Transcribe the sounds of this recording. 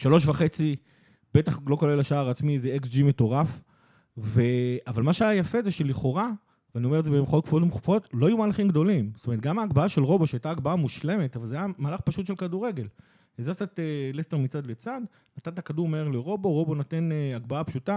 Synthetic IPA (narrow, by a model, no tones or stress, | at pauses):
ʃalo̞ʃ̬vaχe̞t͡si | be̞t̪aχlo̞kolelaʃaaʁat͡smizeeksd͡ʒimeto̞ʁaf | ve̞avalmaʃeajajafe̞zeʃeliχo̞ʁa | veanio̞meetzebeemχoot̚kfuotmuχufo̞tlo̞ajumaːlaχimɡdo̞limstomet̚ɡamaːɡbaaʃelʁo̞bo̞ʃeajtaːɡbaamuʃle̞me̞tavalzeajamaːlaχpaʃutʃe̞lkaduʁe̞ɡe̞l | ezasatelest̪eʁmit͡sad̪let͡sad̪ | nat̪at̪̬akaduʁmaeʁleʁo̞bo̞ʁo̞bonot̪eneaɡbaapʃuta